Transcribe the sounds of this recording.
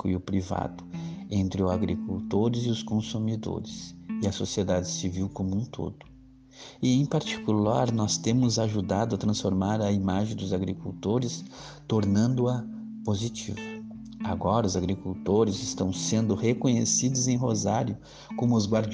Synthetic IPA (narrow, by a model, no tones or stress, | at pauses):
kʊɪʊpɾiva̰d̪ʊẽnt̪ɾɪʊzaɡɾikuwt̪oɾɪzɪʊskõsumid̪o̰ɾɪsɪɐsosied̪ad͡ʒɪsiviwkomũt̪ʰo̰d̪ʊ̥ | ɪẽj̃paɾt͡ʃi̥kulaɾnɔst̪ẽmʊzaʒud̪ad̪ʊɐt̪ɾɐ̃sfoɾmaɾɐimaʒẽj̃d̪ʊzaɡɾikuwt̪oɾɪs | t̪oɾnɐ̃nd̪ʊɐ | pozit͡ʃḭvʊ | aɡɔɾɐʊzaɡɾikuwt̪oɾɪzɪst̪ɐ̃w̃sẽnd̪ʊhekõɲesid̪ʊzẽj̃ɦozaɾjʊ | kõmʊʊzɡwaɾd͡ʒ